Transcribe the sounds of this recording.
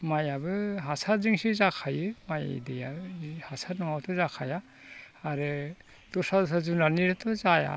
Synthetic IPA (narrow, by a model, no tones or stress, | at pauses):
majabɯɦasaɾziŋsizakʰajɯmaj̰deja̰hasaɾnɔŋawtʰɔzakʰajaː | ɾɯ | tɔsadɔsazunaniɾɯtʰɔzaja̰